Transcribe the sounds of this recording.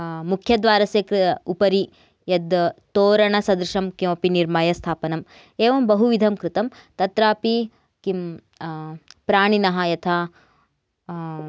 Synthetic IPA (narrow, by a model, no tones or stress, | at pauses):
mukʰjɐd̪ʋaːɾɐseːkɾupɐɾi | jɐd̪t̪oːɾɐɳɐsɐd̪ɾuʃɐmkjõːpiniɾmɐjɐst̪ʰaːpɐnɐm | eːʋɐmbɐɦuʋid̪ʱɐmkɾɪt̪ɐmt̪ɐt̪ɾaːpi | kim | pɾaːɳinɐɦɐjɐt̪ʰa